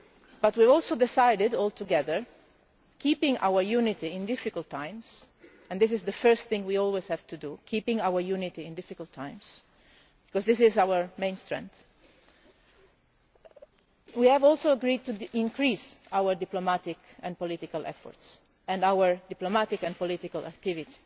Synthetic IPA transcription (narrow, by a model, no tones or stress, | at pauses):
b̥at̪wivɔlˠsod̪ɪsajdɪdɔːlt̪uɡɛðəɹ | kʰiːpɪ̃ŋʔa̰wəɹjunɪt̪iɪ̃nd̪ɪfɪkəlt̪ʰːãɪ̃ms | ɛ̃nd̪ɪs̬ɪzðəfɜ˞st̪θɪ̃ŋwiɔlwez̥hɛvt̪ud̪ukʰiːpɪ̃ŋawəɹjunit̪iɪ̃nd̪ɪfikəlt̪ʰːãj̃ms | b̥ikɔzðɪsɪzawəɹmẽɪ̃nst̪ɹɛ̰̃nθ | wiɛvɔlˠsoəɡɾid̚t̪uɪ̃ŋkɾiːsawəɹd̪iplomat̪ɪkɛ̃npɔlit̪ɪkalʔɛ̰fɔ̰ɹts | ɛ̃ndawəɹd̪iplomat̪ɪkɛ̃npɔlit̪ikalʔa̰kt̪ɪvit̪i̥